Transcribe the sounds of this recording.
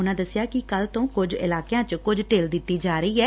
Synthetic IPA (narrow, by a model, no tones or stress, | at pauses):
ʊnãːd̪əsjaːkɪkəlt̪õːkʊd͡ʒɪ̰laːkjãːt͡ʃkʊd͡ʒʈeːld̪ɪt̪ːiːd͡ʒaːɾəiːɛː